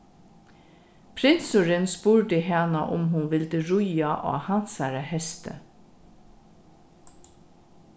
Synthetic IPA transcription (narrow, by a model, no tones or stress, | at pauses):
pʰɾɪnsʊɾənspuːɹɖəɦɛnəʔʊ̰mɦʊnʋɪld̪əɹʊjɑʔo̰ːhɑnsæɾəhɛst̪ə̰